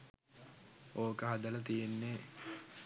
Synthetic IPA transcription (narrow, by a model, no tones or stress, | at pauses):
oːkəɦad̪əlɐt̪ijenːe